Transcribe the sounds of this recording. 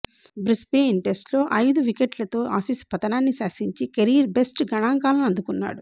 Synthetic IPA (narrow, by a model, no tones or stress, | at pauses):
bɾispeːinʈe̞sʈlo̞ːʔɐjd̪uʋikeʈlɐt̪o̞ːʔaːsispɐt̪ɐnaːnːisaːsiɲt͡ʃikɐɾiːɾbesʈɡɐɳaːŋkaːlɐnɐnd̪ukunːa̰ːɽu